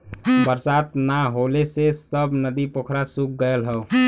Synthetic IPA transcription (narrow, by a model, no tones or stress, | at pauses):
bəɾsat̪naɦolesesəbnəd̪ipokʰɾasuk̚ɡəəlɦəw